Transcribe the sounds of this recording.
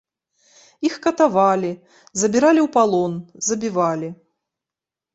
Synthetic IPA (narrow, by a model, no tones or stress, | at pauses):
ixkɐt̪avalʲi | zɐbʲiɾalʲiwpalˠɔnzɐbʲivalʲi